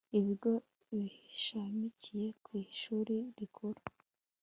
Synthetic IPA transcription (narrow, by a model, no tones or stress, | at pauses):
iβiɾɡo̞ | βiʃamicije̞kwiːʃuːɾiɾikʰuɾu̥